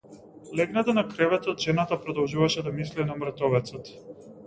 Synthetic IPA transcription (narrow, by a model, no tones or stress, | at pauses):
lɛɡnat̪anakɾɛvɛt̪ɔt̪ʒɛnat̪apɾɔd̪ɔlˠʒuvaʃɛd̪amislinamɾt̪ɔvɛt̪sɔt̪